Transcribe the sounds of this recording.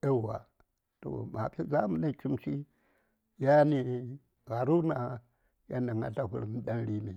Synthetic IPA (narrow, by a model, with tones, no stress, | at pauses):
e˦˨wa̰˨ | to̰˨ma˨pi˦za˦mu˨na˦˨t͡ʃu˦m˦si˦ | ja˦ni˨ | ɣa˨ɾu˦na˨ | ja˦na˨ŋa̰˦ta˨hṵ˦˨ɾm˦ɗa˦n˦ɾi˦mi˨